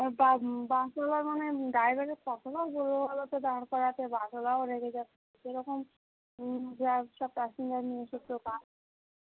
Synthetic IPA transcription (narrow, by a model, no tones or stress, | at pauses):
babaʃalaɾmaneɖajbaɾekɔt̪ʰobaboloalot̪ed̪aɾankɔɾat̪ebaʃɔlaoɾeked͡ʑat̪ʰːe | ʃeɾɔkom | d͡ʑaʃɔb̚paʃind̪aɾnieʃut̪ɾokaɾ